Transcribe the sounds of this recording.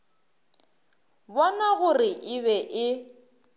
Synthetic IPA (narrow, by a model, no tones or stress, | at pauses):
bɔnaɣʊrɪʔɪβɛʔɪ